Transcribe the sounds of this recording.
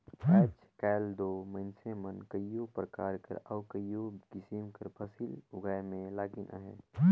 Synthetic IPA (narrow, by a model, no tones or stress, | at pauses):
ɛːt͡ʃ | kaːld̪oːmə̃ɪnsemənkəijopɾəkaːɾkə̰ɾɔːkəijoɡɪsimkəɾpʰəsiːlʊɡaːjmẽlaːɡɪnʔa̰ɦɛ̰ː